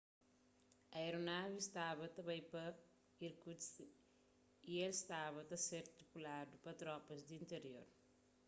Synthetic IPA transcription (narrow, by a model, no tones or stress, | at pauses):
ɐjɾunaːʋist̪ʰaːbɐt̪ɐbɐjpɐ | iɾkut͡ʃ | ijelst̪ʰaːbɐt̪ɐseɾt̪ipulaːɖupɐt̪ɾɔːpɐs̬d̪int̪eɾijo̰ɾ